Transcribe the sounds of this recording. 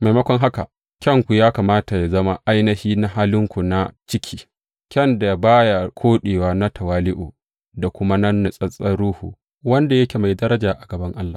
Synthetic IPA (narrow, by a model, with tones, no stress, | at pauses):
ma˨jmɐ˦kʷɔ˦ŋɦa˦ka̰˨ | kʲɐ˦˨ŋkʷu˨jaː˦kaː˨maː˦ta˨ja˨zɐ˦ma˦ʔa˦jnɐ˦hiː˦na˦ɦaː˦lɪ˦ŋkʷu˨na˦t͡ʃɪ˦kʲʰiː˦ | kʲɛ˦˨nda˨baː˦ja˨kʷʰoː˦ɗeː˨waː˦na˦tʰɐ˨waː˦lɪ˦ʔṵː˨ | da˨kʷʊ˦ma˦nɐ˦nːa˨sʼɐ˦sʼɐ˦ɽuː˦hṵː˨ | wɐ˦nda˨jɐ˦kʲe˨ma˨jdɐ˦ɾɐ˦d͡ʒaː˨ʔa˨ɡɐ˨bɐ˦ŋʔa˦lːaː˨